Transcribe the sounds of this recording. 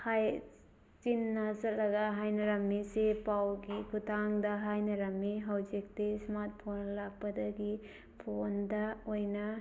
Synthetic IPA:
haj | t͡ʃinːɐzɐlːɐɡɐɦajnɐɾɐmːisepawɡikʰutʰaŋdɐɦajnɐɾɐmːiɦɐwzik̚tesmat̚pʰonlak̚pɐdɐɡi | pʰondɐojnɐ

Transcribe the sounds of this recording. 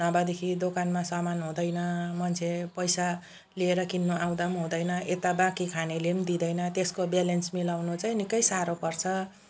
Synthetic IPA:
nʌbad̪ekʰid̪okanmasʌmanɦũd̪ʌjnʌmʌnt͡sʰepʌjsa | lieɾʌkinːuʔaw̃d̪amɦũd̪ʌjnʌʔet̪abakikʰanelemd̪id̪ʌjnʌt̪eskobjelensmilawnot͡saj̃nikʌjsaɾopʌrt͡sʰʌ

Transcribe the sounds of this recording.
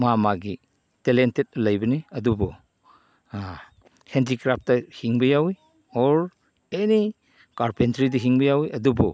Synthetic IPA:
mamaɡi | telentet̚lɐjbɐniɐdubɔ | hentikɾap̚tɐhiŋbɐjawi | ɔɾ | eni | kaɾpentɾidɐɦiŋbɐjawiʔɐdubɔ

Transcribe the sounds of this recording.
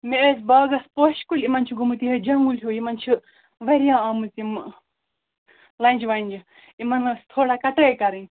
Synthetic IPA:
meesbaːɡɐspoːʃkulʲimɐnt͡ʃʰiɡumut̪iɦɐd͡ʒɐŋɡulʲjuimɐnt͡ʃʰi | ʋɐɾjãːɐmut͡sim | lɐnʲd͡ʒʰiʋɐnʲd͡ʒi | imɐnɐst̪ʰoːɽaːkɐʈəːjkɐɾ̃ː

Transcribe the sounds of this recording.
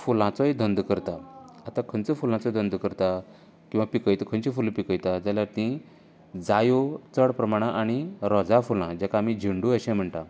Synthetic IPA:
fulãt͡sɔjd̪ʱənd̪kəɾt̪aat̪akʰənt͡səfulãt͡sɔjd̪ənd̪kəɾt̪a | kĩw̃ʋapikəjt̪kʰənt͡ɕifulpikəjt̪ad͡zaljaɾt̪ĩ | d͡zajot͡səɽpɾəmaɽ̃ãʔaɽ̃iɾɔd͡zafulãd͡ʑakaːm̤id͡ʑʱiɳɖuəɕɛ̃m̤əɳʈ̪a

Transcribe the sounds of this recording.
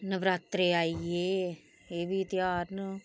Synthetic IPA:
nəʋɾaːt̪ɾeːaːieː | eːʋiːt̪jaːɾnə

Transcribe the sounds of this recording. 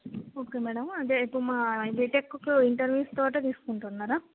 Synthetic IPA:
oːkeːmɛːɽɐmɐnt̪eipːuɽmaːbeʈekːokoiɳʈɐɾʋjuːst̪oːʈet̪iːsu̥kuɳʈunːaːɾaː

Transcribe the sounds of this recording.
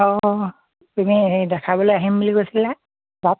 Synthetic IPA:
ɔ | pinidɛkʰabɔlojaɦimbuliɡojsila | bat̚

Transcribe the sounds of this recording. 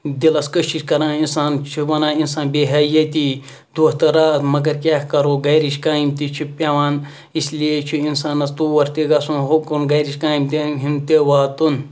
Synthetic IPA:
d̪ilɐskɐʃiʃkɐɾãːinsaːnt͡ʃʰubɐnaːinsaːnbeːɦaːjɐt̪i | d̪uːht̪ɐɾaːt̪mɐɡɐɾkʲaːkɐɾoːɡɐjɾiʃkaːimt̪it͡ʃʰupʲaʋaːn | isliet͡ʃʰuinsaːnɐst̪uːʋɐɾt̪iɡɐsunɦokunɡɐjɾiʃʲkãːimt̪eɦimt̪eʋaːt̪un

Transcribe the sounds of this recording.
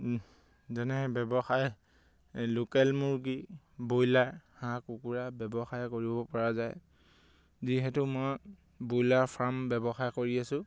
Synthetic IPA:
zɛnɛɦɛbɛbɔxaj | lokɛlmuɹɡi | bojlaɹhãkukuɹabɛbɔxajkoɹibɔpɔɹazaj | ziɦɛtʊmɔj | bojlaɹpʰambɛbɔxajkoɹiasʊ̃

